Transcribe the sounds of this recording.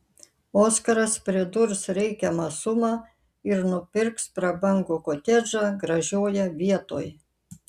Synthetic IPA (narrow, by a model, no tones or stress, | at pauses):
oːskɐɾɐspʲɾʲɪd̪ʊɾsɾʲɛɪkʲɛmɑːsʊmɑː | ɪɾnʊpʲɪɾkspɾɐbɐŋɡoːkoːt̪ʲɛd͡ʒɑːɡɾɐʒʲoːjɛʋʲiɛt̪o̰ːj